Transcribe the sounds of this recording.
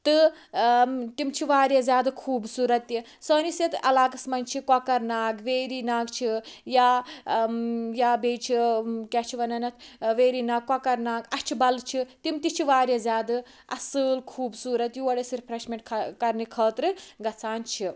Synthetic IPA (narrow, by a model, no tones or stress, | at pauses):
t̪ɨ | t̪imt͡ʃʰiʋaːɾʲjazʲaːd̪ɨkʰuːbsuːɾɐt̪ːji | səːnisjɐt̪ɐ̰laːkɐsmɐnʲt͡ʃʰikɐkɐɾnaːɡʋeːɾinaːɡt͡ʃʰijaː | jaːbeːt͡ʃʰikʲat͡ʃʰiʋɐnɐnɐt̪ʰʋeːɾiːnaːɡːɐkɐɾnaːɡɐt͡ʃʰibɐlt͡ʃʰit̪imt̪it͡ʃʰiʋaːɾʲjazʲaːd̪ɨ | ɐ̰sɨːlkʰuːbsuːɾɐt̪juʋɐɽɐsiɾpʰɾɐʃmʲeɳʈkʰkɐɾnikʰɐːt̪ɾɨɡɐt͡sʰaːnt͡ʃʰi